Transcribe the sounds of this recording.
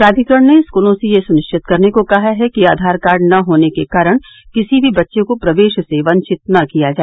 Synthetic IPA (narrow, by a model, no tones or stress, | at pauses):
pɾaːd̪ʱikəɽ̃neskuːlõsejesʊnɪʃʈɪt̪̚kɐɾnekokɐɦaɦɛkiaːd̪ʱaːɾkaːɾɖnɐɦoːnekekaːɾəɽ̃ | kɪsibʱibɐtːʃekopɾɐʋeːʃseʋɐ̃ɲt͡ʃɪt̪̚nɐkijad͡ʒaːe